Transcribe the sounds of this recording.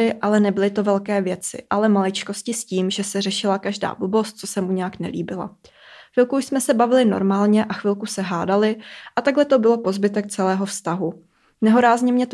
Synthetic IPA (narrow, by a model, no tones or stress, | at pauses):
ɪʔalɛnɛbɪlɪt̪o̞vɛlkɛːvjɛt͡sɪ̰ʔalɛmalɪt͡ʃko̞scɪsciːmʒɛsɛrɛʃɪlakaʒda̰ːbubo̞st̪̚t͡sosɛmuɲɛaknɛ̰lḭːbɪla̰ | fvɪlkuuʃsmɛsɛbavɪlɪno̞̰ɾmaːlɲɛʔaxvɪlkusɛɦaːdalɪʔat̪aɡɦlɛt̪o̞bɪlo̞po̞zbɪt̪ɛk̚t͡sɛlɛːɦo̞fst̪aɦu | nɛɦoɾaːzɲɛmɲɛt̪